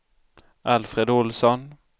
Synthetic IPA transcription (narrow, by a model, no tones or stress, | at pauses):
ʔalfɾed̪ʊlsɔn